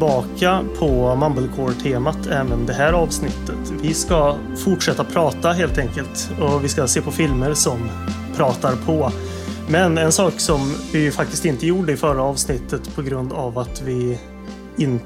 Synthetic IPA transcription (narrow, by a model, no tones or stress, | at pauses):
bɑːkapʰɔmambəlkʰoːɾʈʰeːmat̪ʰɛːvənd̪ɛɦæːɾɑːvsnɪt̪ʰːət̪vɪska | fʊʈʂɛt̪ːapʰɾɑːt̪aɦeːlt̪ɛŋkəlt̪ | ɔvɪskaseːpʰɔfɪlməɾsɔm | pʰɾɑːt̪aɾpʰɔ | mɛnɛnsɑːksɔmvɪjfak̚t̪ɪst̪ɪnt̪əjuːɖəɪfœɾaɑːvsnɪt̪ːət̪pʰɔɡɾɵnd̪avat̪vɪ | ɪn